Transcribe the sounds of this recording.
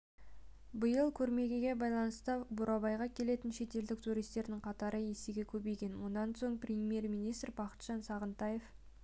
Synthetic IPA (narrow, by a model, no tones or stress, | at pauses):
bəjəlˠkʲʰɵɾme̞ɡʲe̞ɡʲe̞bɑjlˠɑnəst̪əbʊɾʔɑbɑjʁɑkʲʰe̞le̞t̪ɪnʃe̞t̪e̞ld̪ɪk̚t̪ʰuɾijst̪e̞ɾd̪ɪɴqʰɑt̪ɑɾəeseɡʲe̞kʲʰɵbe̞jɡʲe̞nwo̞nɑnso̞ɴprʲemʲje̞rmijnijst̪rbɑqə̥t̪ʒ̥ɑnsɑʁənt̪ɑje̞f